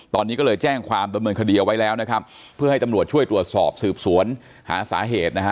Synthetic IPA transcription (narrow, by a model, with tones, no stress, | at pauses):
t̪ɔː˧nːiː˦˥kɔː˥˩lɤː˧jt͡ɕɛː˥˩ŋkʰwaː˧mda˧mnɤː˧nkʰdiː˧ʔa˧wa˦jlɛː˦˥wna˦˥kʰa˦˥pʰː | ɯ˥˩ɐha˥˩jt̪a˧ɾu˨˩ət̪̚t͡ɕu˥˩əjt̪ɾu˨˩ət̪̚sɔ̰ː˨˩p̚sɯː˨˩p̚su˩˦ən | ha̰ː˩˦sa̰ː˩˦ɦeː˨˩t̪̚na˦˥˦